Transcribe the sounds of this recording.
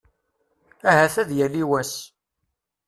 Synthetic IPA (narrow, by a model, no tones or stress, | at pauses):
æhæθæðjælːiwæs